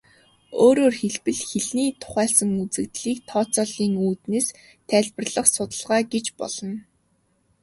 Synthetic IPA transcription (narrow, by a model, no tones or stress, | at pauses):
oːɾoːrxeɮpɘ̆ɮxeɮniːt̪ʰʊ̥χæːɮsə̆ŋut͡sɘ̆k̚t̪ɮiːk̚t̪ʰɔːt͡sɔːɮiːŋuːt̪neːs | t̪ʰæːɮpə̆rɮə̆χsʊt̪ə̆ɮʁaːɡet͡ɕpɔ̰ɮ̥ɞ̆n